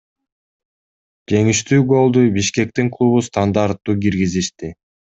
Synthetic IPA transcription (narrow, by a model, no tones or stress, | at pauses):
d͡ʒe̞ŋiʃt̪yːɡo̞lˠd̪ujbiʃke̞k̚t̪iŋklˠuβust̪and̪aɾt̪ːuːkiɾɡiziʃt̪i